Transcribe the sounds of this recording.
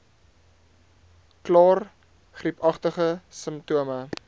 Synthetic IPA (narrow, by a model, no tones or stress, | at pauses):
klɑːr | χripɐχtəχəsəmptuəmə